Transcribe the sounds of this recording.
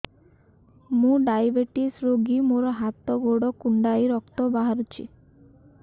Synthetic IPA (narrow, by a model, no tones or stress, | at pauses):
mũɖajbeʈisɾoɡimoɾɔɦat̪ɔɡoɽɔkuɳɖajɾɔkt̪ɔbaɦaɾut͡ʃʰḭ